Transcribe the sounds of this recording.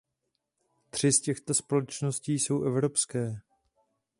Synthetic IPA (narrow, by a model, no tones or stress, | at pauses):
t̪r̝̥ɪscɛxt̪o̞spo̞lɛt͡ʃno̞sciːso̞wʔɛvɾo̞pskɛː